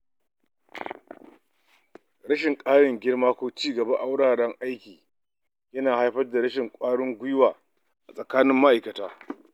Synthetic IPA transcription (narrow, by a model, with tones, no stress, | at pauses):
ɽɐ˦ʃɪ˨ŋkʼaː˦ɽɪ˨ŋɡʲɪ˦ɽmaː˦kʷoː˦t͡ʃiː˦ɡɐ˨ba˦ʔa˦wɽaː˨ɽɐ˦ŋʔa˦jkʲiː˨ | jɐ˦naː˨ha˦jɸɐ˦rda˨ɽɐ˦ʃɪ˨ŋkʷʼaː˦ɽʊ˦ŋɡʷʊ˦jwaː˨ | ʔa˨sʼɐ˨kaː˦nɪ˦mːa˦ʔa˨jkɐ˨taː˦